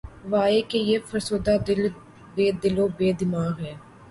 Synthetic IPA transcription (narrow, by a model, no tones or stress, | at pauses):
ʋaːekejefɐɾsoːd̪aːd̪ɪl | beːd̪ɪloːbeːd̪ɪmaːɣɦɛː